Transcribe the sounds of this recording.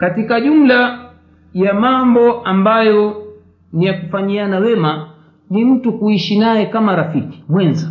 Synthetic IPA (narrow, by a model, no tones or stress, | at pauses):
katikaʄum̩la | jamambɔambajɔ | nijakufaɲianawɛma | nim̩tukuiʃinajɛkamaɾafiki̥mwɛnza